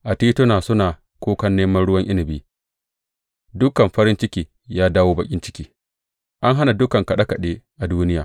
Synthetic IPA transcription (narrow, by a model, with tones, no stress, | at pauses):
ʔa˨tiː˦tʊ˦naː˨sʊ˦naː˨ | kʷoː˦kɐ˦nːeː˦mɐ˦nɽʊ˦wɐ˦ŋʔɪ˦nɪ˨biː˦ | dʊ˦kɐ˨mɸɐ˦ɾɪ˦nt͡ʃɪ˦kʲiː˨ | jaː˦daː˦woː˦bɐ˨kʲʼɪ˦nt͡ʃɪ̥˦kʲiː˦ | ʔa˦ŋɦa˦na˨dʊ˦kɐ˨ŋkɐ˨ɗa˦kɐ˨ɗeː˦ʔa˨duː˦nɪ˦jaː˨